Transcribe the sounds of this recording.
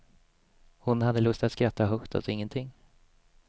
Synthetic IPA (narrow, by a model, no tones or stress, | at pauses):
hʊnhad̪ːəlɵst̪at̪skɾat̪ʰːaɦɵkt̪ʰa̰lsɔɪŋːənt̪ʰɪŋː